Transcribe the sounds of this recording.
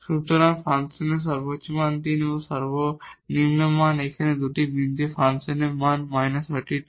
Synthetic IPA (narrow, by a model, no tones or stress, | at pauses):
suʈ̪ɔɾanpʰɾansenes̬ɔɾbotːt͡ʃːɔmant̪inosɔɾbonimnɐmanekʰɐned̪uʈibint̪efʰɾansenemanmajnɐsɐʈiʈ